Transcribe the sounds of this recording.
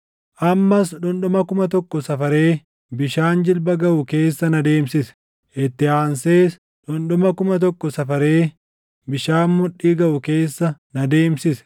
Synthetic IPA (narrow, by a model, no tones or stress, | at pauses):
ʔɐmːɐsᶑʊnɗʊmɐkʊmɐt̪ɔkːɔsɐfɐɾe̞ː | bɪʃaːnd͡ʒɪlbɐɡɐʔʊke̞ːsːɐnɐd̪e̞ːmsɪsɛ̥ | ʔɪt̪ːɪaːnse̞ːs | ᶑʊnɗʊmɐkʊmɐt̪̬ɔkːɔsɐfɐɾe̞ː | bɪʃaːnmʊᶑːiːɡɐʔʊke̞ːsːɐnɐd̪eːmsɪsɛ̥